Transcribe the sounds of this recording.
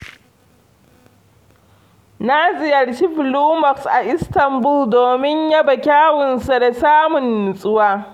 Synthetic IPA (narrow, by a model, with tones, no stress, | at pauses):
na˦zɪ˨jɐ˨ɽʃi˦ɸɪ˨luː˦mɐ˨ksʔa˨ʔɪ˦stɐ˨mbʊ˦ldoː˨mɪ˦ɲja˦bɐ˨kʲaː˦wɪ˨nsa˨da˨saː˦mʊ˨nːʊ˨sʼɪ˦waː˦